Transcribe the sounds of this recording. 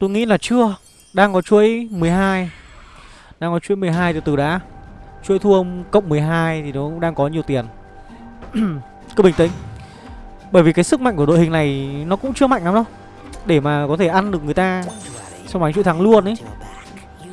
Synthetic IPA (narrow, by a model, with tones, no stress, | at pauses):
t̪o˧jŋḭ˧˥laː˨˩t͡ɕɨ˧ə | ɗaː˧ŋkɔ˨˦t͡ɕu˧˦əjmɨ˨˩əjɦaː˧j | ɗaː˧ŋkɔ˨˦t͡ɕwṵ˧˦˥jmɨ˨˩əjɦaː˧jt̪ɨ˨˩t̪ɨ˨˩ɗa̰ː˨˦t͡ɕu˧˦əjt̪ʰu˧ʔə˧wŋ͡mkə̰˧˨wŋ͡mmɨ˨˩əjɦaː˧jt̪ʰi˨˩nɔ˨˦kʊ̰˧˥ŋ͡mɗaː˧ŋkɔ˨˦ɲi˨˩əwt̪i˨˩ən | kɨ˧ɓï˨˩t̪ï̟˨˦ | ɓəː˧˩jvi˨˩kaː˨˦sɨ˦˥k̚ma̰˧˨jŋku˧˩˨ɗo̰˧˨hï˨˩ŋna˨˩jnɔ˨˦kʊ̰˧˥ŋ͡mt͡ɕɨ˧əma̰˧˨ŋna˨˦ɗə˨˦w | ɗe˧˩maː˨˩kɔ˨˦t̪ʰe˧˩ʔa˧nɗɨ˨˩ək̚ŋɨ˨˩ə˩jt̪aː˧ | sa˧wma˨˦ŋt͡ɕu˧˦t̪ʰa˨˦ŋlu˧ənʔə˨˦j